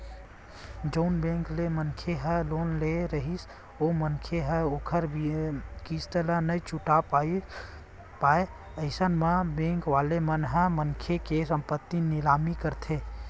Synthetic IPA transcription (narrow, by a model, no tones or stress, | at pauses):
d͡ʒəʊnbẽːŋklemənkʰeɦəloːnleɾəɦis | omənkʰeɦəokʰəɾbkisʈ̪ələnəit͡ʃʊʈapaːi | paːe | əɪsənmə̃bẽːŋkʋaːlemənɦə̃mənkʰekesə̃mpət̪ːinɪlaːmikəɾt̪ʰe